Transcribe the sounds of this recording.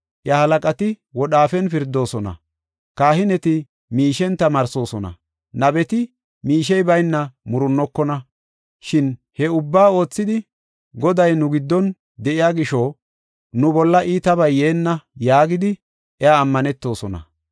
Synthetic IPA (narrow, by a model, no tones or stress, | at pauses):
ʔjɐhɐlɐkʼɐt̪ɪ | wɔɗaːfɛnfɪɾd̪ːo̞ːsɔnɐ̰ | kaːhɪnɛt̪ɪ | miːʃɛnt̪ɐmɐɾso̞ːsɔnɐ̰ | nɐbɛt̪ɪ | miːʃɛjbɐjnːɐmʊɾʊnːɔkːɔnɐ | ʃɪn | hɛʊbːaːo̞ːt͡sːɪd̪ɪ | ɡɔd̪ɐjnʊɡɪd̪ːɔn | d̪ɛʔɪjaːɡɪʃo | nʊbɔlːɐʔiːt̪ɐβɐjːe̞ːnːɐjaːɡɪd̪ɪ | ʔɛaːmːɐnɛt̪ːo̞ːsɔnɐ̰